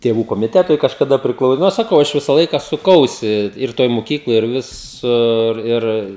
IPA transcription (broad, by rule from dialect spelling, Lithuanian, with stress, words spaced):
tʲeːˈʋuː koːmʲɪˈtʲæːtʊɪ kɐʃkɐˈdɐ pʲrʲɪˈklˠɐʊ ˈnʊ sɐˈkɐʊ ɐʃ ˈʋʲɪsɐ ˈlˠɐɪkɐ sʊˈkɐʊsʲɪ ɪr ˈtoːj mʊˈkʲiːklˠoːj ɪr ˈʋʲɪsʊr ˈɪr